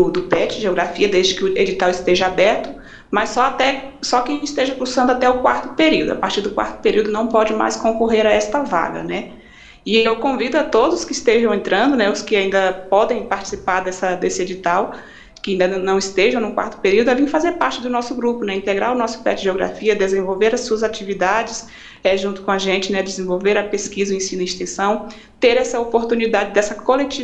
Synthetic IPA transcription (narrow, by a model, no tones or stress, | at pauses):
ʊd̪ʊpɛt͡ʃɪʒeoɡɾafiɐd̪ezd͡ʒɪkɪʊed͡ʒit̪awɪst̪eʒɐabɛɾt̪ʊ̥ | mɐsːɔat̪ɛsɔkɪaʒẽt͡ʃɪ̥st̪eʒɐkuɾsɐ̃nd̪ʊat̪ɛʊkwaɾt̪ʊpeɾiwd̪ʊa̰paɾt͡ʃiɾd̪ʊkwa̰ɾt̪ʊ̥peɾiwd̪ʊnɐ̃w̃pɔd͡ʒɪma̰jskõkoɦeɾaɛst̪ɐva̰ɡɐ̰nɛ | ɪewkõvid̪ʊat̪od̪ʊskɪist̪eʒɐ̃w̃ẽnt̪ɾɐ̃nd̪ʊnɛʊskɪaĩnd̪ɐpɔd̪ẽj̃paɾt͡ʃi̥sipaɾd̪ɛsɐd̪esɪed͡ʒit̪aw | kɪaĩd̪ɐnɐ̃w̃ist̪eʒɐ̃w̃nʊ̃kwa̰ɾt̪ʊ̥peɾiwd̪ʊɐvĩfazeɾpaɾt͡ʃɪd̪ʊnɔsʊɡɾupʊnɛĩnt̪eɡɾaɾʊnɔsʊ̥pɛ̰t͡ʃɪʒeoɡɾa̰fiɐd̪ezẽvowveɾɐsuɐzat͡ʃivid̪ad͡ʒɪs | ɛʒũnt̪ʊ̥kõaʒẽnt͡ʃɪnɛd̪ɪzẽvowveɾɐpeskizɐẽsĩnɐĩst̪ẽsɐ̃w̃ | t̪eɾɛsɐopoɾt̪ũnid̪ad͡ʒɪd̪ɛsɐkolet͡ʃi